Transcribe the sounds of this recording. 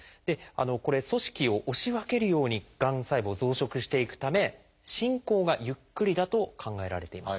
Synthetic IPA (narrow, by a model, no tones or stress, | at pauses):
d̪̥e̞a̰noko̞ɾe̞so̞ɕi̥kʲio̞ʔoɕiβake̞ɾɯ̟jo̞ːɲ̟iɡ̥ãɰ̃saibozo̞ːɕo̞kɯ̟ɕi̥t̪e̞ikɯ̟̥t̪ame̞ | ɕĩŋko̞ːɡajɯ̟kːɯ̟ɾʲid̪at̪o̞kʰãŋɡae̞ɾa̰ɾe̞t̪e̞imas